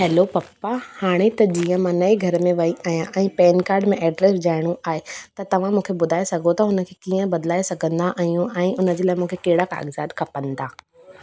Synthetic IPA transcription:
ɦɛːlopɐpːahaːɽ̃et̪ɐd͡ʑiːə̃mãnɐeɡʱɐɾmẽʋɐiʔaːjãʔɛ̃ːpɛːnkaːɾɖmẽʔɛːɖɾesd͡ʑaːɪɽ̃uʔaːɦet̪ɐt̪ɐʋ̤ãmũːkʰebʊd̪ʱaːesɐɡʱot̪ɐɦʊnəkʰekiːə̃bɐd̪laːesɐɡʱə̃nd̪aʔaɦijũʔɛ̃ːʔʊnə̆d͡ʑeːlaːɪmũːkʰekeːɽaka̰ːɡzaːd̪kʰɐpə̃nd̪aː

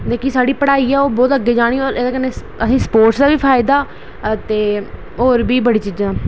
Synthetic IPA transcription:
d̪eːkiːsaːɽiːpəɽaːiːɛːoːbɔːt̪əɡːeːd͡ʒaːɽ̃iːoːɾʔeːd̪aːkənːe | əsĩːsə̥poːɾʈsd̪aːʋiːpʰaːɪd̪aː | t̪eː | oːɾbiːbəɽiːt͡ʃiːd͡ʒãː

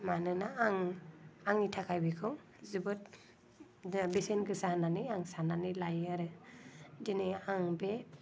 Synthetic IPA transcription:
manɯnaaŋaŋitʰakʰajbikʰɯw | zubɯt | bisenɡɯsahnanɯjaŋsananɯlajaɾɯ | diniaŋbe

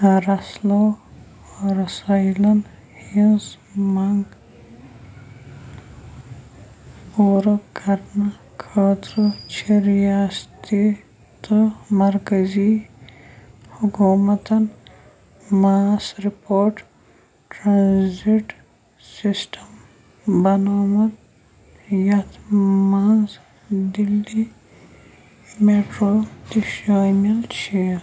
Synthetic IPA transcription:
ɾɐslo | ɾɐsajlɐn | hins | maŋɡ | puːɾokɐɾna | kʰəːt̪ɾot͡ʃʰiɾjaːst̪i | t̪omɐɾkɐzi | hukuːmɐt̪ɐn | maːsɾipoːɾʈ | ʈɾaːnziʈ | sisʈʰɐm | bɐnaːmɐd̪̚ | jɐt̪ʰmaːz | d̪ilːi | meːʈɾoːt̪iʃaːmilt͡ʃʰeː

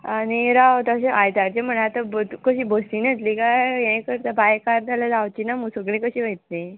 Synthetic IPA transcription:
aniɾawt̪əɕeʔajd̪aɾt͡ɕem̤əɳat̪ab̪kəɕiːbəst̪iːnət̪likajjẽjkəɾt̪əbajkaɾd̪alad͡zawt͡ɕinamusəɡɭẽkəɕiːʋəjt̪̚ne

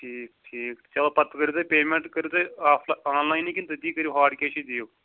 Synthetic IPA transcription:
ʈʰiːk̚ʈʰiːkt̪t͡ʃɐloːpɐt̪kəɾiːt̪oːpeːmẽɳʈkəɾjuːt̪eaːpʰlaːnlaːinikint̪ɐd̪iːkəɾjuɦaːʈkeːʃiːd̪ijoː

